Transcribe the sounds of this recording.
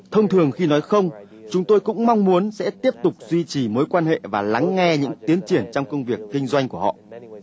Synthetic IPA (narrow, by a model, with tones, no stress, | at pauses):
t̪ʰə˧wŋ͡mt̪ʰɨ˨˩əŋxi˧nɔ˨˦jxə˧wŋ͡m | t͡ɕʊ˨˦ŋ͡mt̪o˧jkʊ̰˧˥ŋ͡mma˧wŋ͡mmu˨˦ənsɛ̰˧˥t̪i˦˥əp̚t̪ʊ˨˩k͡p̚zwi˧t͡ɕi˨˩moː˨˦jkwaː˧nhḛ˧˨vaː˨˩la˨˦ŋːɛ˧ɲɨ̰˧˥ŋt̪i˨˦ənt͡ɕi˧˩ənt͡ɕɔ˧wŋ͡mkə˧wŋ͡mvi˨˩əkːï˧ŋ̟zwa˧jŋ̟ku˧˩hɔ̰˧˨ʔ